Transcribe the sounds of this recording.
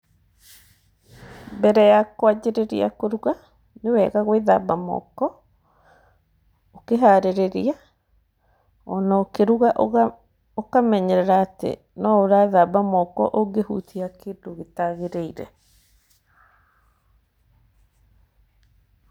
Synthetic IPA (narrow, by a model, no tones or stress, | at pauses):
mbɛɾɛjakwad͡ʑeɾeɾḭa̰koɾuɣa | newɛɣaɣweða̰bamɔ̰kɔ | okeɦaɾeɾeɾia | ɔnaɔokeɾuɣaʔ | okamɛɲɛɾɛɾaːtḛ | nɔoɾaðabamɔkɔ̰ʔoŋɡehṵtiakedoɣetaɣeɾeiɾɛ̰